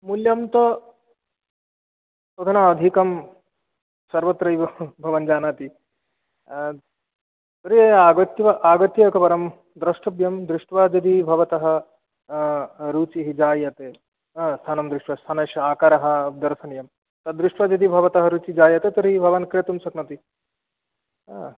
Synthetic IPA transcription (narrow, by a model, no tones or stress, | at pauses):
muljɐmt̪ɐ | t̪od̪ʰʱɐnaɐd̪ʱikɐm | sɐɾʋɐt̪ːɾɐjbʱɐʋɐnd͡ʒaːnaːt̪i | t̪ɐɾieaːɡɐt̪jʋɐʔaːɡɐt̪jɐkɐpɐɾɐm | d̪ɾɐʂʈʰɐbjɐmd̪ɾuʂʈʋaːd͡ʒɐd̪ibʱɐʋɐt̪ɐɦɐ̆ | ɾuːt͡ʃiɦid͡ʒaːjɐt̪eː | st̪ʰaːnɐmd̪ɾuʂʈʋɐst̪ʰaːnɐːʃɐaːkaɾɐɦɐ̆d̪ɐɾsɐnjɐm | t̪ɐd̪ɾuʂʈʋaːd͡ʒɐd̪ibʱɐʋɐt̪ɐɦɐɾuːt͡ʃid͡ʒaːjɐt̪et̪ɐɾiɦibʱɐʋɐnkɾjɐt̪umsɐknɐt̪i